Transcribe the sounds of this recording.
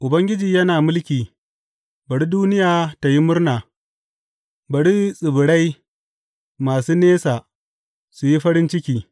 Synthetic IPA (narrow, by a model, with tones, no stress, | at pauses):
ʔʊ˨bɐ˦ŋɡʲɪ˦d͡ʒiː˨jɐ˦naː˨mʊ˦lkʲiː˨ | bɐ˨ɽi˦duː˦nɪ˦jaː˨ta˨ji˦mʊ˦ɾnaː˨ | bɐ˨ɽi˦sʼɪ˨bʊ˨ɽa˦j | maː˨suː˦neː˦saː˨ | su˨ji˦ɸɐ˦ɾɪ˦nt͡ʃɪ˦kʲiː˨